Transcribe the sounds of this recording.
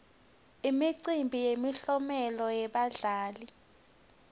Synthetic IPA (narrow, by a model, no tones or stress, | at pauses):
imiǀimbʱijemiɬɔmɛlɔjɛɓaɮaːli